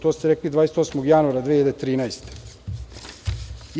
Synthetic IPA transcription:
t̪oːst̪eɾeklid̪vaːese̥t̪osmoɡjanuaɾad̪ehied̪et̪ɾiːnaest̪e̥ | j

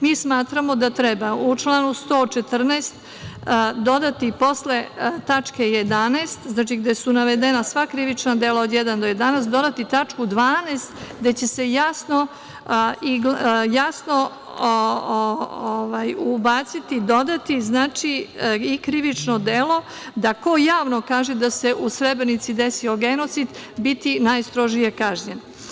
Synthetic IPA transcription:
miːsmaːt̪ɾamo̞d̪at̪ɾɛbaut͡ʃlˠaːnust̪o̞ːt͡ʃet̪r̩neːst̪ | d̪o̞d̪at̪ipo̞sle̞t̪at͡ʃkejed̪aneːst̪znaːt͡ʃiɡd̪esunaʋed̪enasʋakɾiʋit͡ʃnad̪elaod̪jɛd̪and̪oje̞d̪anesd̪o̞d̪at̪it̪at͡ʃkud̪ʋaːneːst̪ɡd̪e̞t͡ɕe̞se̞jasno̞ | iɡjasno̞ | o | oʋajubaːt̪sit̪id̪o̞d̪at̪iznaːt͡ʂiikɾiʋit͡ʂno̞d̪elo̞ | d̪ako̞jaːʋnokaːʒed̪ase̞ʔusɾebɾenit̪sid̪esioɡenot̪sid̪bit̪inajst̪ɾo̞ʒije̞kaʒɲen

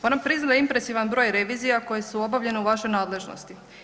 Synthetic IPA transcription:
o̞nampɾiznad̪impɾe̞siʋanbɾo̞ːjɾe̞ʋiːzijako̞je̞suo̞baʋʎe̞neuʋaʃojnaːd̪le̞ʒno̰st̪i

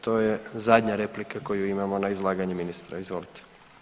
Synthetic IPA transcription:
t̪o̞ːjezad̪ʲɲaɾe̞plikako̞juimamo̞naizlˠaːɡaɲuminist̪ɾa̰izʋo̞lit̪e̥

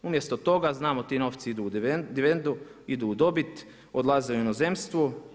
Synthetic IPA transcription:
umjest̪ot̪o̞ɡaznaːmot̪iːno̞ːft̪siid̪uːd̪iʋend̪u | id̪uːd̪o̞bit̪ | od̪lˠazeuinozemst̪ʋu

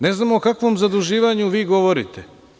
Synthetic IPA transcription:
neznaːmoːkakʋomzad̪uʒiːʋaɲuʋiːɡo̞ʋoɾit̪ʰe

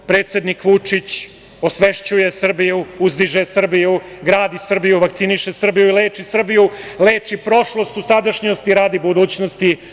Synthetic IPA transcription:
pɾe̞ːt̪sed̪nikʋut͡ʂit͡ɕ | o̞sʋe̞ʃt͡ɕuje̞sr̩bijuuzd̪iʒesr̩biju | ɡɾaːd̪isr̩bijuʋak̚t̪siniʃesr̩bijuileːt͡ʃisr̩bijule̞ːt͡ʃipɾo̞ʃlˠo̞st̪usad̪aʃɲost̪iɾaːd̪ibud̪uːt͡ɕnost̪i

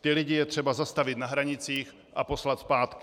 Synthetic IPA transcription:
t̪ɪlɪɟɪjɛt̪r̥ɛbazast̪avɪt̪naɦɾaɲɪt͡siːx | ʔapo̞slat̪spaːt̪kɪ

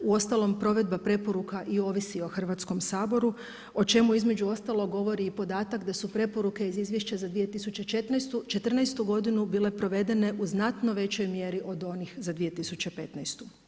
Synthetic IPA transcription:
uo̞st̪alˠo̞mpɾo̞ʋe̞d̪̚bapɾe̞po̞ɾukaʔio̞ʋisio̞xr̩ʋaːt̪sko̞msaːbo̞ɾu | o̞t͡ʃe̞muizme̞d͡ʑuo̞st̪alo̞ɡo̞ʋo̞ɾiːpo̞d̪aːt̪akd̪asupɾe̞po̞ɾuke̞izizʋje̞ʃt͡ɕazad̪ʋije̞t̪isut͡ɕet͡ʃe̞t̪najst̪ut͡ʃe̞t̪r̩najst̪uɡo̞d̪inubile̞pɾo̞ʋe̞d̪e̞ne̞ʔuznat̪no̞ʋe̞t͡ɕo̞jmje̞ɾiʔo̞d̪o̞nixzad̪ʋije̞t̪isut͡ɕepe̞t̪najst̪u

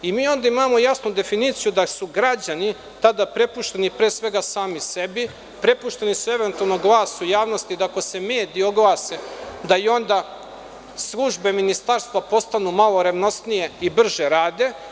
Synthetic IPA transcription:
imiːo̞nd̪aimaːmo̞jasnud̪e̞finit̪sijud̪asuɡɾad͡ʑani | t̪ad̪apɾe̞puʃt̪enipɾe̞ːsʋe̞ɡasaːmise̞bi | pɾe̞puʃt̪e̞nisue̞ʋe̞nt̪alˠnoɡlˠaːsujaːʋno̞st̪id̪ako̞se̞me̞ːd̪iio̞ɡlˠaːsed̪ajo̞nd̪a | slˠuʒbe̞minist̪aɾst̪ʋapo̞st̪anumalˠoɾeʋno̞st̪nije̞ibr̩ʒeɾaːd̪e̞

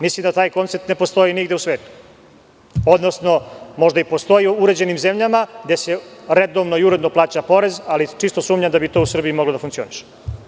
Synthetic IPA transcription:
mislimd̪at̪aːjko̞nt̪ep̚t̪ne̞po̞st̪o̞jiniɡd̪eusʋe̞ːt̪u̥ | o̞d̪nosno̞mo̞ʒd̪aipost̪o̞jiuɾe̞d͡ʑe̞nimze̞mʎamaɡd̪eseɾed̪oʋno̞iuɾed̪noplˠaːt͡ɕapo̞ɾe̞zalit͡ʂist̪o̞suːmɲamd̪abit̪o̞ːusr̩biimoɡlod̪afuŋk̪sio̰ːniʃe̥

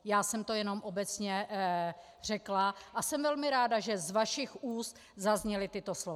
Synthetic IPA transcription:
jaːsɛmt̪o̞jɛno̞mʔobɛt͡sɲɛ | r̝̥ɛklaʔasɛmvɛlmɪɾaːdaʒɛzvaʃɪxʔuːst̪ | zazɲɛlɪt̪ɪt̪o̞slov

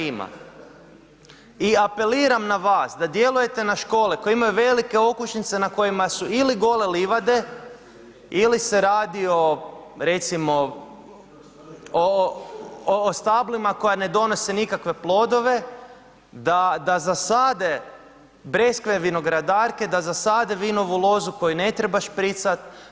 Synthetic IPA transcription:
ima̰ | iape̞liːɾamnaʋaːsd̪ad̪je̞luje̞t̪e̞naʃko̞ːlikoeimajuʋe̞like̞o̞kut͡ʃnit̪se̞nako̞jimasuiliɡo̞le̞liʋad̪e̞ | ilise̞ɾaːd̪io̞ɾe̞t̪simo̞ | o | st̪ablimako̞jane̞d̪o̞no̞senikakʋe̞plˠo̞d̪o̞ʋe̞ | d̪ad̪azasad̪e | bɾe̞skʋeʋino̞ɡɾad̪aːɾke̞d̪azasad̪eʋino̞ʋulˠo̞zuko̞jine̞t̪ɾebaʃpɾit̪sat̪̚

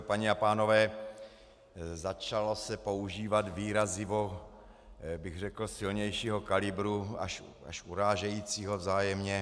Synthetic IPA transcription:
paɲɛapaːno̞vɛː | zat͡ʃalo̞sɛpo̞uʒiːvat̪viːɾazɪvo | bɪɣr̝ɛkl̩sɪlɲɛjʃiːɦo̞kalɪbɾua̰ʃ | a̰ʃuɾaːʒɛjiːt͡siːɦovzaːjɛmɲɛ

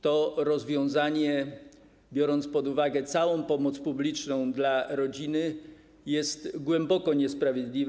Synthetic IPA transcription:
t̪ɔɾɔzvʲjɔ̃w̃zaɲɛ | bʲjɔɾɔnt̪spɔd̪uvaɡɛt̪sawɔ̃w̃pɔmɔt̪spublʲit͡ʂnɔ̃w̃d̪laɾɔd͡ʑinɘ | jɛst̪ɡwɛmbɔkɔɲɛspɾavʲjed̪lʲiv

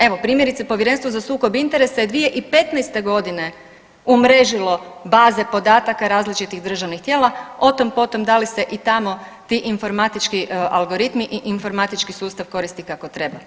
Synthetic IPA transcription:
e̞ʋo̞pɾiːmjeɾit̪sepo̞ʋjeɾe̞nst̪ʋozasuːko̞bint̪e̞ɾe̞sajed̪ʋije̞ʔipe̞t̪najst̪e̞ɡo̞d̪ine̞ | umɾe̞ʒilo̞baːze̞po̞d̪aːt̪akaɾaːzlit͡ʃit̪iɣd̪r̩ʒaʋnixt̪je̞ːlˠao̞t̪ompo̞t̪o̞md̪alise̞ʔit̪amo̞ | t̪iʔinfo̞ɾmat̪it͡ʃkialˠɡo̞ɾit̪miʔiʔinfo̞ɾmat̪it͡ʃkisuːst̪aʋko̞ɾist̪ikako̞t̪ɾe̞ba

